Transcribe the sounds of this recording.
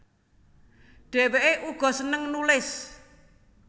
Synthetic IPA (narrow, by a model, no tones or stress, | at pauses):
ɖ̥e̤weʔeʔuɡ̥ɔ̤sənəŋnulɪs